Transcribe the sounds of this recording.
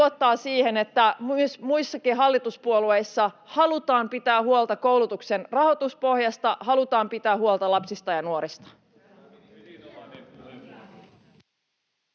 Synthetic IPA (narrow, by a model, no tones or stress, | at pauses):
ot̪ːɑːsiːhenet̪ːæmsmujsːɑkiɦɑlːit̪uspuoluejsːɑhɑlut̪ɑːmpit̪æːhuolt̪ɑko̞wlut̪ukse̞nrɑho̞t̪uspo̞hjɑst̪ɑʔhɑlut̪ɑːmpit̪æːɦuolt̪ɑlɑpsist̪ɑjɑnuoɾist̪ɑ̥